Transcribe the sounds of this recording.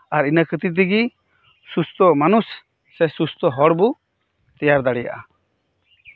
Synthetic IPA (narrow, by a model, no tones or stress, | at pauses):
aɾinakʰət̪it̪̬iɡi | sust̪ɔmanusː | ɛsust̪ɔɦɔɽbu | t̪ijaɾd̪aɽija̰ʔa